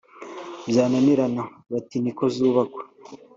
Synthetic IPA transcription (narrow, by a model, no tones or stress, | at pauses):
bjaːnaniɾana | βatinikozuːβako̥